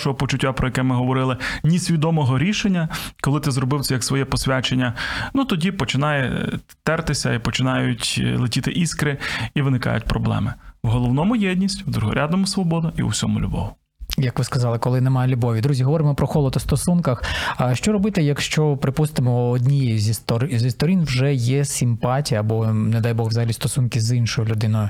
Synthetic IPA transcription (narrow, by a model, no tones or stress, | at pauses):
ʃɔɦɔpɔt͡ʃʊtʲːapɾɔjɐkɛmɪɦɔʋɔɾɪlˠɪnʲisʲʋʲid̪ɔmɔɦɔɾʲiʃenʲːɐkɔlˠɪt̪ɪzrɔbɪwt̪ʲɛjɐksʋɔjɛpɔsʲʋʲat͡ʃenʲːɐnut̪ɔdʲipɔt͡ʃɪnɑjɛ̰t̪ɛrt̪ɪsʲɐ̰ipɔt͡ʃɪnɑjʊtʲlˠɪtʲit̪ɪʔiskɾɪiʋɪnɪkɑ̰jʊtʲpɾɔblˠɛ̰mɪwɦɔlˠɔwnɔmʊjɛdʲnʲisʲtʲwd̪ɾuɦɔ̰ɾʲʔad̪nɔmʊsʋɔbɔd̪ɐḭṵwsʲɔmʊ̰lʲṵbɔ̰ʋʊ | jɐkʋɪskɐzɑlˠɪkɔlˠɪnɛmɑjlʲʊbɔʋʲid̪ɾuzʲiɦɔʋɔɾɪmɔpɾɔxɔlˠɔd̪ɔst̪ɔsunkɐxʃt͡ʃɔɾɔbɪt̪ɛjɐkʃt͡ʃɔpɾɪpust̪ɪmɔːdʲnʲijɛjzʲist̪ɔɾzʲist̪ɔɾʲinwʒɛjɛsʲimpɑtʲijɐːbɔnɛd̪ɑjbɔɣʋzɐɦɐlʲist̪ɔsunkizinʃɔjʊlʲʊd̪ɪnɔjʊ